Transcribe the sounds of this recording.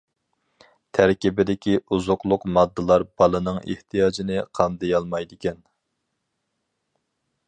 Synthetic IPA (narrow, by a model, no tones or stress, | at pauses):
t̪ʰæɾkʲibɪd̪ɪkʲiuzʊqlˠʊqmɑd̪ːɨlˠɑɾbɑlˠɨnɨŋʔḛht̪ʰijɑːd͡ʒinɪqʰɑnd̪ɨjɑlˠmɑjd̪ɪkʲɛn